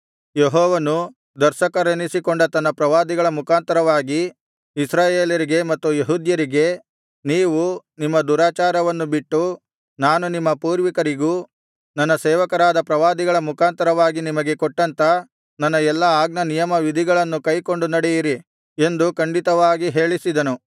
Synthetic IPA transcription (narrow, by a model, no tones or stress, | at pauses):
jeɦɔːʋɐnu | d̪ɐɾʃɐkɐɾenisikoɳɖɐt̪ɐnːɐpɾɐʋaːd̪iɡɐɭɐmukʰaːnt̪ɐɾɐʋaːɡiː | sɾaːjeːljɐɾiɡe̞mɐt̪ːujeɦuːd̪jɐɾiɡe̞ | niːʋunimːɐd̪uːɾaːt͡ʃaːɾɐʋɐnːubiʈːu | naːnunimːɐpuːɾʋikɐɾiɡuː | nɐnːɐsɛːʋɐkɐɾaːd̪ɐpɾɐʋaːd̪iɡɐɭɐmukʰaːnt̪ɐɾɐʋaːɡinimɐɡe̞koʈːɐnt̪ɐ | nɐnːɐɛlːɐaːɡnɐnijɐmɐʋid̪ʱiɡɐɭɐnːukɐjko̞ɳɖunɐɽɛjiɾi | e̞nd̪ukɐɳɖit̪ɐʋaːɡiɦe̞ːɭisid̪ɐnu